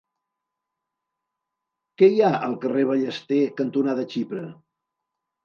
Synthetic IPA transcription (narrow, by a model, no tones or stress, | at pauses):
kɛiaəlˠkəreβ̞əʎəst̪ekənt̪unaðət͡ʃipɾə